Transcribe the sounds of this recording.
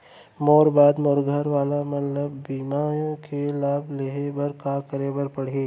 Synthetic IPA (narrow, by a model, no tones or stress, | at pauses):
moːɾbaːd̪moːɾɡʱəɾʋaːlamɐt̪ləbːiːmajkʰelaːbleɦebɐɾkakəɾebəɾpɐɽ̤eː